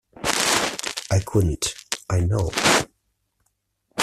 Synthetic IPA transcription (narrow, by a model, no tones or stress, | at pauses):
ʔaɪkʰʊdⁿn̩tʔaɪnoʊ